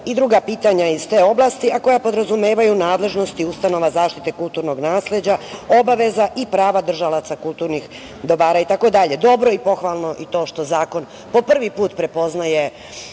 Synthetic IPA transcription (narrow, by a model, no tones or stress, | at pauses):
id̪ɾuɡapiːt̪aɲaizt̪eːo̞blˠast̪iako̞japo̞d̪ɾazumeːʋajunaːd̪le̞ʒno̞st̪iust̪ano̞ʋazaːʃt̪it̪e̞kult̪uɾno̞ɡnaːsle̞d͡ʑao̞baʋe̞zaʔipɾaːʋad̪r̩ʒalat̪sakulˠt̪uːɾnix | d̪o̞ʋaːɾait̪ako̞d̪aʎe̞d̪o̞bɾo̞ipo̞xʋalˠno̞ʔit̪o̞ːʃt̪o̞zaːko̞n | po̞pr̩ʋipuːt̪pɾe̞po̞znaje̞